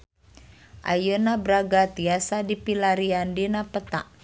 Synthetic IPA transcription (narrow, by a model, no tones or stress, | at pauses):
ʔa̰jənabɾaɡat̪iasadipilaɾiandinapət̪a̰ʔ